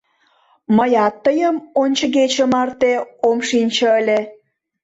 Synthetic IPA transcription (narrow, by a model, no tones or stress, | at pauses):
məjɑt̪ːəjəmonʲt͡ɕə̆ɣet͡ɕəmɑrt̪eomʃinʲt͡ɕə̆əlʲe